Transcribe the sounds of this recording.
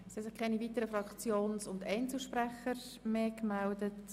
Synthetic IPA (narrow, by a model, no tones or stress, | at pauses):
shɛsɪχkʰɛɪniviːtəɾəfɾɑkt͡sjoːnsʊndɛɪnt͡sl̩ʃpɾɛχəɾ | meːkmældət